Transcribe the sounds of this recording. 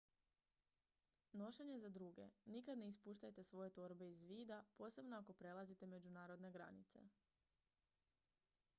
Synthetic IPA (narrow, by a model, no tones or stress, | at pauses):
no̞ʃe̞ɲe̞zad̪ɾuɡe̞̰nikad̪nispuːʃt̪ajt̪e̞sʋo̞je̞t̪oɾbe̞izʋiːd̪apo̞ːse̞bnoako̞pɾe̞lˠazit̪e̞me̞d͡ʑunaːɾo̞d̪ne̞ɡɾa̰nḭt̪se̞̰